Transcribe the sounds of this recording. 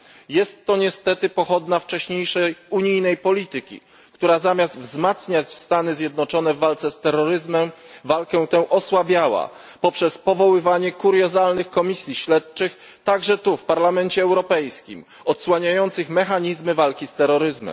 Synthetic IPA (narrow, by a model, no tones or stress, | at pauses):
jɛst̪ːɔɲɛst̪ɛt̪ɘpɔxɔd̪naft͡ʂɛɕɲejʂɛjuɲijnɛjpɔlʲit̪ɘkʲḭ | kt̪uɾazamʲjazd̪vzmat̪sɲat͡ɕst̪anɘzʲjɛd̪nɔt͡ʂɔnɛvːalt̪sɛst̪ɛɾːɔɾɘzmɛmvalkɛw̃t̪ɛ̃ʔɔswabʲjawa̰ | pɔpʂɛspɔvɔwɘvaɲɛkuɾjɔzalnɘxkɔmʲisʲjiɕlɛt̪t͡ʂɘx | t̪aɡʐɛt̪ufpaɾlamɛnt͡ɕɛːwɾɔpɛjskʲḭm | ɔt̪swaɲajɔnt̪sɘxmɛxaɲizmɘvalkʲist̪ɛɾːɔɾɘzmɛ̰m